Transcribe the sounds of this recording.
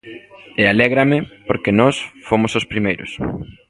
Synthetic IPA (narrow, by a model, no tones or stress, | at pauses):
ealɛɣɾɐmɪpoɾkenɔsfomosospɾimejɾʊ̰s